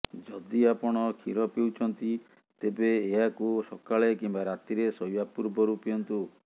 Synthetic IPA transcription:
d͡ʒɔd̪iapɔɽ̃ɔkʰiɾɔpewt͡ʃʰɔnt̪i | t̪ebeːɦakusɔkaɭekimbaɾat̪iɾesɔjwapuɾbɔɾupijɔnt̪u

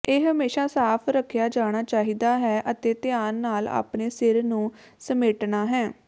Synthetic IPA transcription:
eːɦəmeːʃaːsaːpʰɾəkʰːjaːd͡ʒaːɽ̃aːt͡ʃaːɦiːd̪aːɦɛːʔət̪eːt̪ɪjaːnːaːla̰ːpɳeːsɪɾnũː | səmeːʈnaːɦɛː

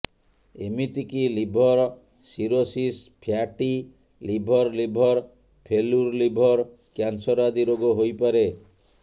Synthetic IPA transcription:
emit̪ikilibʱɔɾ | siɾosispʰjaʈi | libʱɔɾlibʱɔɾ | pʰeluɾlibʱɔɾ | kjansɔɾad̪iɾoɡɔɦojpaɾe

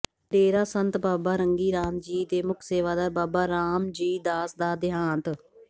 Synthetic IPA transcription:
d̪eːɾaːsənt̪baːbaːɾəŋɡiːɾaːmd͡ʒiːd̪eːmʊkʰseːʋaːd̪aːbaːbaːɾaːmd͡ʒiːd̪aːsd̪aːd̪ɪɦaːnt̪

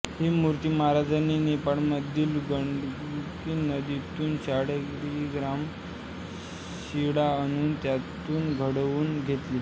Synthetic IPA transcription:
ɦiːmuɾt̪iːmaaɾad͡zaniːnepaɭməd̪ʱːiːlɡəɳɖ | kinəd̪it̪uːnɕaɽekɾʋiːɡɾam | ɕiɽaənuːnt̪jat̪uːnɡʱəɽʋuːnɡʱet̪liː

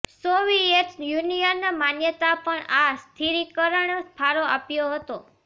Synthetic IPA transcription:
soʋieʈjunijənːamanjət̪apəɳast̪ʰiɾikəɾəɳsp̪ʰaɾoʔapjoɦət̪o

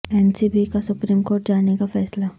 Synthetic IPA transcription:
ɛnsiːbikasʊpɾiːmkoːɾʈ̚d͡ʒaːnekafɛːsla

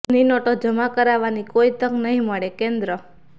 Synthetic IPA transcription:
ninɔʈod͡ʒəmakəɾaʋanikoit̪əknəɦĩməɭekẽnd̪ɾə

